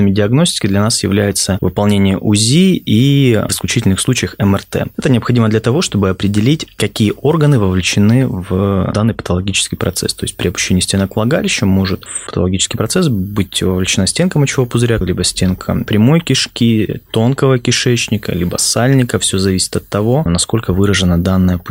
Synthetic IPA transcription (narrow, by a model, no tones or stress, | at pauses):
ɨmʲɪdʲɪɐɡnosʲtʲɪ̥kʲɪd̪lʲɐnasjɪ̰vlʲæjɪt̪səvɨpɐlˠnʲenʲɪjəʔʊzʲiivɪsklʲʉt͡ɕitʲɪlʲnɨxslˠut͡ɕɪjəxɛmɛrt̪ɛ̰ɛt̪ənʲɪɐpxɐdʲiməd̪lʲɐt̪ɐvo̞ʂt̪o̞bɨɐpɾʲɪdʲɪlʲitʲkɐkʲijəʔo̞rɡənɨvəvlʲɪt͡ɕɪnɨvd̪anːɨjpə̥t̪əlˠɐɡʲit͡ɕɪskʲɪjpɾɐt̪sɛ̰st̪o̞ɪst̚ʲpɾʲɪɐpʊ̥ɕːenʲɪjːsʲtʲenəkvlˠɐɡalʲɪɕːəmo̞ʐɨt̪pət̪əlˠɐɡʲit͡ɕɪ̥skʲɪjpɾɐt̪sɛs̬bɨtʲvəvlʲɪt͡ɕɪnasʲtʲenkəmɐt͡ɕːɪvopʊzɾʲalʲibəsʲtʲe̞nkʰə̰pɾʲɪmo̞jkʲɪʂkʲit̪o̞nkəvəkʲɪʂɛt͡ɕnʲɪkə̰lʲibə̰salʲnʲɪkəfsʲozɐvʲisʲɪ̥t̪ɐt̪ːɐvo̞nɐsko̞lʲkəvɨɾəʐɨnəd̪anːəjəp